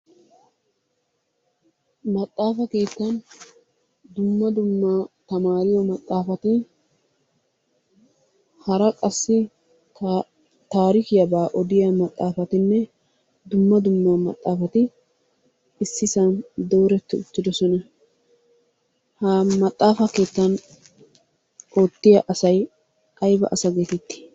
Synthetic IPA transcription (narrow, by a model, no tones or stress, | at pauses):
mɐt̪ʼːaːfɐke̞ːt̪ːɐn | d̪ʊmːɐd̪ʊmːat̪ɐmaːɾɪjɔmɐt̪ʼːaːfɐt̪ɪ | hɐɾɐkʼɐsːɪ | t̪aːɾɪkɪjɐbaːʔɔd̪ɪjɐmɐt̪ʼːaːfɐt̪ɪnːɛ | d̪ʊmːɐd̪ʊmːamɐ̰t̪ʼːaːfɐt̪ɪ | ɪsːɪsɐnd̪o̞ːɾɛt̪ːɪʊt̪ːɪd̪ɔsɔnɐ | hɐmɐt̪ʼːaːfɐke̞ːt̪ːɐn | oːt̪ːɪjɐʔɐsɐj | ʔɐjbɐ̰ʔɐsɐɡe̞ːt̪ɛt̪ːɪ̥